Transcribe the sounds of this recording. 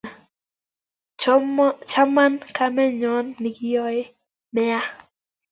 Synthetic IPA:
t͡ʃa˦ma˦nka˦mɛ˦ɲɔ˦nːɪ˨ɡɪ˦jɔ˦ɪ˦ | mɛ˦a˦

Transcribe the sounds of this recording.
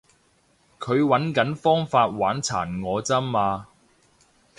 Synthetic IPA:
kʰɵ˨˧ɥwɐ˨˥nkɐ˨˥nfɔː˥ŋfaː˧t̚waː˨˥nt͡sʰa̰ː˨˩nŋɔː˨˧t͡sɐ˥mːaː˧

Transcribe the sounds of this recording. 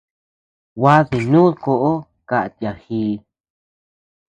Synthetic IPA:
wa˦ði˨nũ˦ko˧ʔo˦ | ka˧˨ʔa˧˨t̪ja˨hiː˧

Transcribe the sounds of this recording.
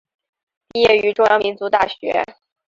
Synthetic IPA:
pi˥˧jɛ˥˩y˧˥ʈ͡ʂʊ˥ŋjɑ˧˥mi˧˥nt͡su˧˥t̪a˥˩ɕɥɛ̰˧˥

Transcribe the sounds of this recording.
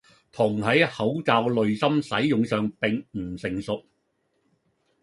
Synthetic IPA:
t̪ʰʊ˨˩ŋɦɐ˨˥jhɐ˨˥wt͡saː˨wlɵ˨˧ɥsɐ˥msɐ˨˥jːʊ˨ŋsœː˨ŋpɪ˨ŋm̩˨˩sɪ˨ŋsʊ˨k̚

